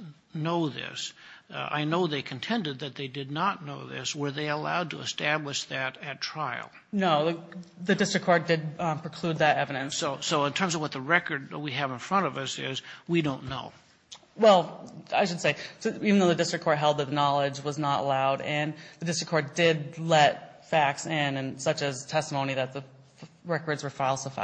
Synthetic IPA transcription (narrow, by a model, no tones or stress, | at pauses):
noʊðɪ̰sa̰ɪnoʊðeɪkʰn̩tʰɛ̃ndɨd̪̚ðɨt̪̚ðeɪdɨdⁿnətⁿnoʊðɪ̰swə˞ðeɪəla̰ʊd̚tʰə̰ə̰stæbləʃðɨɾɨtʰɹ̥aɪ̰l̩ˠnoʊðɨdɪstɹ̥ɨkʰːɑɹdɨd̚pʰɹ̥ɨkʰl̥ʉd̪̚ðɨɾɛvɨɾɨ̃nssoʊsoʊə̃ntʰɜ̃˞mzʌvwʌt̪̚ðɨɹɛkə˞d̚wiɨvə̃nfɹʌ̃ɾ̃ʌvʌsɪ̰zwidõʊ̃nːo̰ʊ | wɛlˠa̰ɪʃɨd̥seɪsivɨn̩ðoʊðɨdɪstɹ̥ɨkʰɔɹt̚ɦɛlˠd̪̚ðɨt̪̚ðənɑlˠɪd͡ʒwʌznəɾə̰laʊɾɨ̃nðɨdɪstɹɨkʰɔɹ̚dɪdlɛt̚ | fæksɪ̃nɨ̃nsʌt͡ʃɨz̥tʰɛstəmõʊ̃ñiðɨt̪̚ðɨ | ɹɛkə˞dzwə˞faɪlˠsəfa̰ɪ